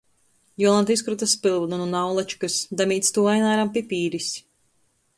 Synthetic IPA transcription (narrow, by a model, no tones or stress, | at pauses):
jɔlˠant̪is̬kɾut̪aspilˠvnununawlˠat͡ʃi̥kɨsd̪amiːt̪st̪uːajnaːɾampipiːɾisʲ